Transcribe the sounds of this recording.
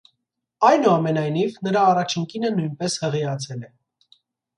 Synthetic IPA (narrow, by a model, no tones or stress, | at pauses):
ɑjnuɑmɛnɑjnivnəɾɑːrɑt͡ʃʰiŋkinənujnpɛshəʁiɑt͡sʰɛlɛ